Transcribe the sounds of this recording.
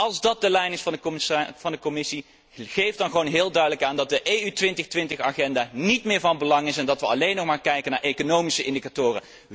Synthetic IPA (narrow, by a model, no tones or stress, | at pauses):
ɑlˠzdɑt̚dəlɛjnɪsfɑnəv̥ɑndəkɔmɪsi | χejfdɑnχəʋownɦɪːlˠdœɥdələkaːndɑt̚dəʔejytʋɪntəχtʋɪntəχaːχɛndaːnitmɪːɹvɑnbəlɑŋɪsɛndɑtʋəɑlejnːɔχmaːɹkɛjkənaːɹʔejkonowmisəʔɪndikatʊːrə̰